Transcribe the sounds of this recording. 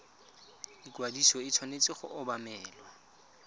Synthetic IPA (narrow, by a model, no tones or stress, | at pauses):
ikwadisɔɪt͡sʰwanet͡sʼɪχʊ̰ʔʊbamɛːlwa